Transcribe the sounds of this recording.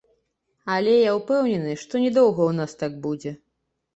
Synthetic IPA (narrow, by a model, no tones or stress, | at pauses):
ɐlʲɛjawpɛwnʲɛnɨʂt̪ɔnʲɛd̪ɔwɣɐwnast̪aɡ̚bud͡zʲɛ